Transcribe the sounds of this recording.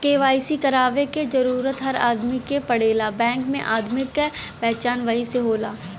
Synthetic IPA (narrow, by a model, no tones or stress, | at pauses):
keːʋaːisikɐɾaːʋeked͡ʒɐɾuːɾət̪ɦɐɾa̰ːd̪mikepɐɽeːlabɛ̃ːŋkmḛ̃ʔaːd̪mɪk | pɛːt͡ʃaːnʋəiseɦoːlaː